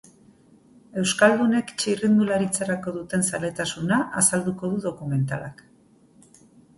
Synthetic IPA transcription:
e̞wskald̪une̞kt͡ʃirind̪ulaɾit͡saɾako̞ðut̪e̞nsale̞t̪asunaʔasald̪uko̞ðuðo̞kume̞nt̪alak

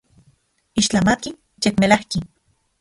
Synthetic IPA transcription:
iʃt͡ɬamaki | t͡ʃekmelahki

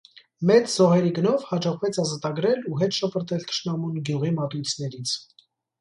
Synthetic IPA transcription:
mɛt͡szɔɦɛɾiɡənɔvhɑd͡ʒɔʁvɛt͡sʰɑzɑt̪ɑɡɾɛluɦɛt̪ʃɔpʰəɾt̪ɛlt̪ʰə̥ʃnɑmunɡjuʁimɑt̪ujt͡sʰnɛɾit͡sʰ

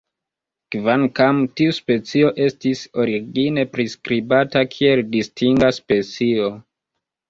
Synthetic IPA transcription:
kvankamtiuspe̞t͡sio̞ʔe̞stiso̞ɾiɡine̞pɾiskɾibatakʰie̞ldistʰiŋɡaspe̞t͡sio

